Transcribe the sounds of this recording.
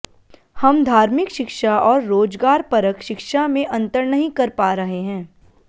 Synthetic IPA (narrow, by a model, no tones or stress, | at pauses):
hɐmd̪ʱaːɾmɪkʃɪkʃaʔɔːɾːoːd͡ʒɡaːɾpɐɾəkʃɪkʃamẽʔɐ̃nt̪əɾnɐɦĩkɐɾpaːɾɐɦeɦɛ̃ː